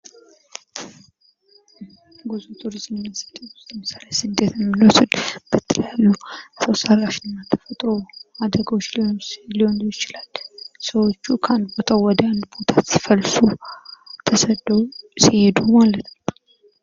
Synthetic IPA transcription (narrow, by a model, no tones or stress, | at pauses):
ɡuzut̪ʼuɾizmnːasə̥t̪ʼːəʊst̪əməsalesɨd̪et̪jɛmːinosɨd̪bɨt̪ːɨljalːusəwsarːaʃɪnnːat̪ʰə̥fət̪ʼoad̪əɡəwot͡ʃːlliwond̪ujɪt͡ʃɪlalsəwo̞t͡ʃːukʰəand̪bo̞t̪ʰawɔd̪əand̪bo̞t̪ʰasi̥fəlsu | t̪ʰəsəd̪ːəwsihed̪umalət̪nə